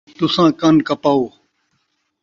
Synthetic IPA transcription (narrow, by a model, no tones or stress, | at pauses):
t̪ʊsãːkənkɐpaːoː